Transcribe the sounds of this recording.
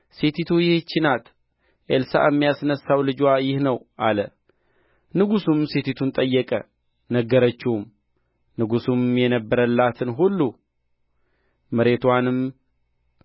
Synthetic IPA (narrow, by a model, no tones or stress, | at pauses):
set̪ʰit̪ʰujɪht͡ʃːɪnat̪ | ʔelsa̰ɛmːijasnəsːawlɨd͡ʒwajɪhnəwʔalə | nɨɡusumset̪ʰit̪ʰunt̪ʼəjːɛkʼə̰ | nəɡːəɾət͡ʃːɪum | nɨɡusumjɛnəbːəɾəlːat̪ʰɨnɦulːu | məɾe̞t̪wanɨm